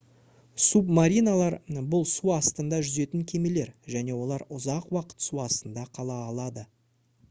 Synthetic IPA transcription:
supmaɾijnalˠɑɾbʊlˠsuɑst̪ənd̪ɑʒʏze̞t̪ɪŋkʲʰe̞me̞le̞ɾʒæne̞wo̞lˠɑɾʊzɑqwɑqə̥t̪suɑst̪ənd̪ɑqʰɑlˠɑːlˠɑd̪ə

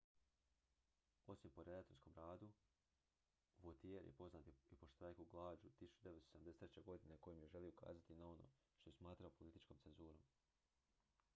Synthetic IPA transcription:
o̞simpo̞ɾed̪at̪onsko̞mɾaːd̪u | ʋot̪ijeɾjḛpo̞znaːt̪iipoʃt̪ɾajkuɡlˠaːd͡ʒut̪isu̥t͡ʃud̪e̞ʋesoseamd̪eset̪ɾet͡ɕe̞ɡo̞d̪ine̞ko̞jomjeʒe̞lioka̰ːzat̪inao̞no̰ː | ʃt̪oesmaːt̪ɾaopolit̪it͡ʃko̞mtse̞nzuːɾo̞m

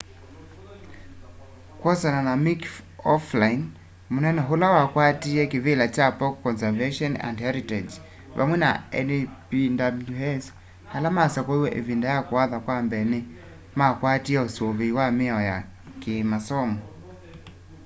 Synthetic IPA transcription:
kwɔsananamikɔflain | munɛnɛɦulawakwatiɛkivilat͡ʃapɔkːɔnsɛvɛʃɔna̰ndhɛɾitɛd͡ʒ | va̰mwɛna̰ɛnipindabluɛs | halamasakwɔiwɛʔḛvindajakuaðakwambɛni | makwatiɛusiɔviwamɛɔja | kimasɔmɔ

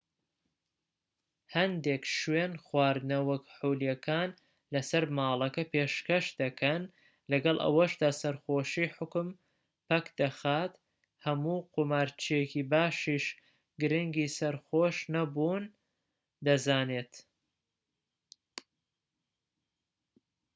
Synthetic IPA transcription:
hɐnd̪ekʃwenxwaːɾd̪nɐwɐkħowlijɐkʰaːn | lɐsɐɾmaːlˠɐkɐpeːʃkɐʃd̪ɐkʰɐn | lɐɡɐlˠʔɐ̰wɐʃd̪aːsɐɾxoːʃiːħʊkm | pɐkd̪ɐxaːt̪ | hɐmuːqomaːɾt͡ʃʰijekiːbaːʃiːʃ | ɡɨɾɪŋɡiːsɐɾxoːʃnɐbuːn | d̪ɐzaːneːt̪

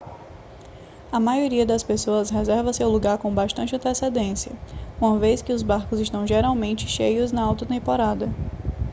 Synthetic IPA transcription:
ɐmajoɾiɐd̪ɐspesoɐsɦɛzɛɾvɐsɪawluɡaɾkõbaʃt̪ɐ̃nt͡ʃɪɐ̃nt̪esed̪ẽsjɐũmɐveskɪʊzbaɾkʊzɪʃt̪ɐ̃w̃ʒeɾawmẽnt͡ʃɪ̥ʃejʊznɐawt̪ʊt̪ẽmpoɾad̪ɐ

